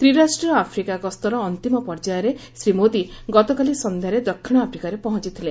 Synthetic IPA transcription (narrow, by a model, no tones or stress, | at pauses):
t̪ɾiɾasʈɾiɔapʰɾikakɔst̪ɔɾɔːnt̪imɔpɔɾd͡ʒajɔɾesɾimod̪iɡɔt̪ɔkalisɔnd̪ʱjaɾed̪ɔkʰːiɽ̃ɔapʰɾikaɾepɔɦɔ̃nt͡ʃit̪ʰile